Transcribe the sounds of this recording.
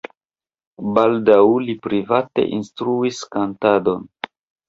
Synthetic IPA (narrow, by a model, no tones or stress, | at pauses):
baldawlipɾivate̞̰ʔinstɾuiskantado̞n